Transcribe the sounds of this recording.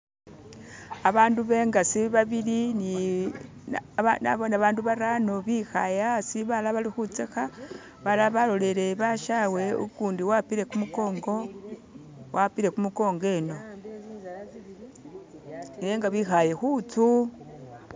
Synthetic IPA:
aβaːnduβe̞ːŋɡasiβaβilini | ana̰βonaβaːnduβaɾano̞βixajasiβalaβalixut͡sexa | βalaβalo̞le̞le̞βaʃawe̞ṵkuːndiwapiɾe̞kumuko̞ːŋɡo̞ | wʔapiɾe̞kumuko̞ːŋɡe̞no̞ | eːŋɡaβixaje̞xut͡su

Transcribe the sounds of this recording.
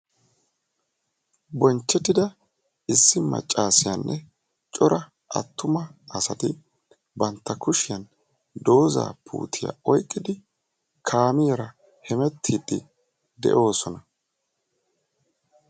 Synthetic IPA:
bɔnt͡ʃːɛt̪ːɪd̪ɐ | ɪsːɪmɐ̰t͡ʃʼːaːsɪjɐnːʔɛ | t͡ʃʼɔɾʔɐ | ʔɐ̰t̪ːʊmɐɐsɐt̪ɪ | bɐnt̪ːɐkʊʃɪjɐn | d̪o̞ːza̰ːpʰṵːt̪ʰɪja̰ɔjkʼːɪd̪ɪ | kʰaːmɪjɛɾɐ | hɛmɛt̪ʰːiːd̪ːɪ | d̪ɛ̰ʔo̞ːsɔnɐ

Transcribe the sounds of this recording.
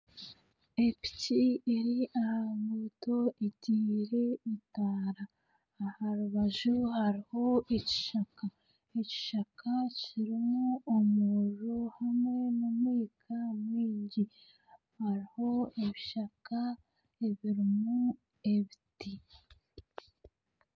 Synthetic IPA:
epi̥tieɾiʔahamuto̞eɟiːɾe̞itaːɾaː | haɾuβaʒuhaɾiho̞ʔeci̥ʃaka | eci̥ʃakʰaciɾimuomuʒohamŋe̞numwiːkʰamwiːɲɟi | haɾiho̞eβiʃaka | eβiɾimu | eβiti

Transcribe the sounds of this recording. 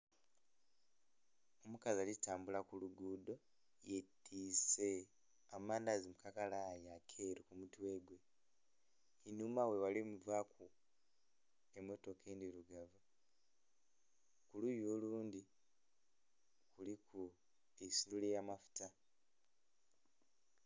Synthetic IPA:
omukazalitaːmbulakuluɡuːdo̞ | jetʰːiːse | amaːndazimukakalajakʰeɾikumutwe̞ːɡwe̞ | inumawe̞walimuvaku | emːo̞to̞kʰeːndiɾuɡavu | kulujoːluːndi | kulikʰu | esilulejamafu̥ta

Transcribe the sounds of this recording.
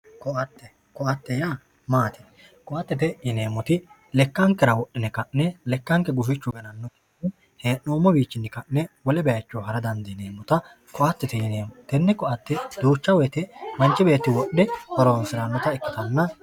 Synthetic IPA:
kɔɐt̪ːɛ | kɔɐt̪ːɛjaː | maːt̪ɛ̥ | kɔʔɐt̪ːɛt̪ɛjɪne̞ːmːɔt̪ɪ | lɛkːɐŋkːɛɾɐwɔʔːɪnɛkɐʔnɛlɛkːɐŋkːɛɡʊfɪt͡ʃːʊɡɐnɐnːɔki̥ | ɪ | heːʔoːmːɔɡiːt͡ʃːɪnːɪkɐʔnɛwɔlɛbɛjɐt͡ʃːoːɦɐɾɐd̪ɐnd̪ɪneːmːɔt̪ɐ | kɔʔɐt̪ːɛt̪ɛjɪneːmːɔt̪ɛnːɪkɔʔɐt̪ːɛd̪uːt͡ʃːɐwɔjt̪ɛmɐnt͡ʃːɪbe̞ːt̪ːɪwɔɗːɛhɔɾoːnsɪɾanːɔt̪ɐɪkːɪt̪ɐnːɐ

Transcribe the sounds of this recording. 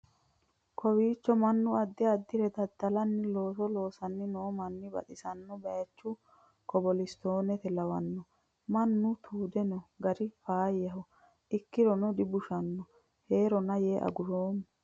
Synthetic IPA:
kʰɔwiːt͡ʃːɔmɐnːʊɐd̪ːɪɐd̪ːɪɾɛd̪ɐd̪ːɐlɐnːɪlo̞ːsɔlo̞ːsɐnːɪnoːmɐnːɪbɐ̰ᶑ̪ɪsɐnːɔbɐjɐt͡ʃːʊ | kɔbɔlɪst̪o̞ːnɛt̪ɛlɐwɐnːɔ | mɐnːʊt̪ʰuːd̪ɛnɔɡɐɾɪfaːjɐɦɔ | ʔɪkːɪɾɔnɔd̪ɪbʊʃɐnːɔ | he̞ːɾɔnɐjeːʔɐ̰ɡʊɾoːm

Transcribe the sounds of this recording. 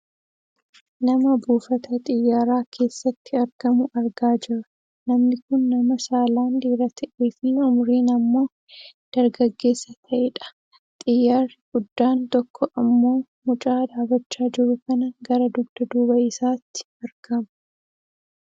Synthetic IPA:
nɐmɐbuːfɐt̪ɐt̪ʼɪjːaːɾaːkʰe̞ːsːɐt̪ːɪɐɾɡ̥ɐmʊʔɐɾɡaːd͡ʒɪrʊ̥ | nɐmnɪkʊnːɐmɐsaːlaːnd̪iːrɐt̪ʰɐʔeːfɪʊmɾiːnɐmːo̞ː | d̪̥ɐɾɡɐɡːe̞ːsːɐt̪ʰɐʔɛᶑɐ̥ | t̪ʼɪjːaːrɪɡ̥ʊd̪ːaːnt̪ɔkʰːɔʔɐmːo̞ː | mʊt͡ʃʼaːd̪aːbɐt͡ʃːaːd͡ʒɪɾʊkɐnɐɡɐɾɐd̪ʊɡd̪̥ɐd̪uːbɐʔɪsaːt̪ːɪ̥ɐɾɡ̥ɐmʊ̥

